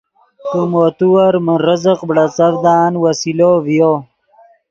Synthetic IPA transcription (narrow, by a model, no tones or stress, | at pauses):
t̪umoːt̪uwɐɾmənɾəzəqbɽɐt͡sɐvd̪aːnwasilovjo